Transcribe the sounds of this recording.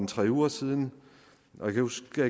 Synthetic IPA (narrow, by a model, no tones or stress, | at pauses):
nt͡sʰʁɛ̰ːuːɐsiːð̞ˠn̩ | ʔɒ̽jekʰæhusæ